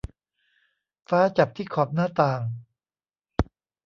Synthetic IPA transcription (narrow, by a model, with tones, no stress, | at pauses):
faː˦˥t͡ɕa˨˩p̚t̪ʰiː˥˩kʰɔː˨˩p̚naː˥˩t̪aː˨˩ŋ